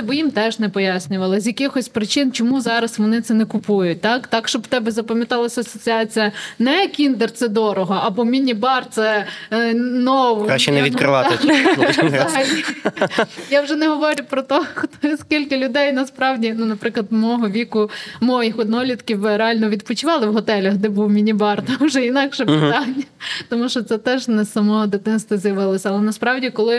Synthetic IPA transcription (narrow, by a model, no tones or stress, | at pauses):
bɔjimt̪ɛʒnɛpɔjasʲnʲʊʋɐlˠɪzʲjɐkɪxɔsʲpɾɪt͡ʃɪnt͡ʃɔmuzɑɾɐsʋɔnɪt̪sɛnɛkʊpujʊt̚ʲt̪ɑkt̪ɑkʃt͡ʃɔbt̪ɛbɛzɐpɐmʲjɐt̪ɑlˠɐsʲɐɐsɔt͡sʲiɑt͡sʲijɐnɛɐkʲind̪ert̪sɛd̪ɔɾɔɦɔɐbɔmʲinʲibɑrt̪sɛ | nɔʋʊkɾaʃt͡ʃɛnɛʋʲit̪kɾɪʋɑɪ | ɐɦɐlʲi | jawʒɛnɛɦɔʋɔɾʲʊpɾɔt̪ɔxt̪ɔskʲilʲkɐlʲʊd̪ɛjnɐspɾɑwdʲinunɐpɾɪklˠɐd̪mɔɔɦɔʋʲikʊmɔjixɔd̪nɔlʲit̪kʲiwɾeɑlʲnɔʋʲid̪pɔt͡ʃɪʋɑlˠɪwɦɔt̪ɛlʲɐxd̪ɛbuwmʲinʲibɑrt̪ɔʒɛinɑkʃɛpɪt̪ɑnʲːɐt̪ɔmuʃt͡ʃɔt̪sɛt̪ɛʒnɛsɐmɔɔd̪ɪt̪ɪnst̪ʋɐzjɐʋɪlˠɔsʲɐlˠɛnɐspɾɑwdʲikɔlˠɪ